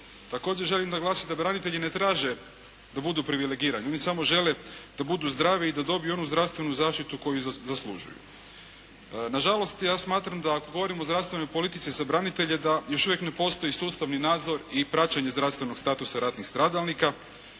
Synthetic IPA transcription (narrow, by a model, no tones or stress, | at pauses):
t̪ako̞ːd͡ʑeɾʒe̞limd̪aɡlˠaːsimd̪abɾanit̪e̞ʎine̞t̪ɾaːʒe̞ | d̪abud̪upɾiʋile̞ɡiːɾaɲeo̞nisamo̞ʒe̞led̪̥abud̪uzd̪ɾaːʋiːd̪ad̪o̞bijuo̞nuzd̪ɾaʋst̪vʋe̞nuzaːʃt̪it̪uko̞juzaslˠṵʒṵjṵ | naʒalˠo̞st̪jaːsmaːt̪ɾamd̪aːko̞ɡo̞ʋo̞ɾimo̞zd̪ɾast̪ʋe̞no̞jpo̞lit̪it̪sizabɾanit̪e̞ʎe̞d̪ajo̞ʃuʋje̞kne̞po̞st̪o̞isuːst̪aʋninaːd̪zo̞ɾipɾat͡ɕaɲe̞zd̪ɾafst̪ʋeno̞ɡst̪aːt̪usaɾat̪nixst̪ɾaːd̪alˠnika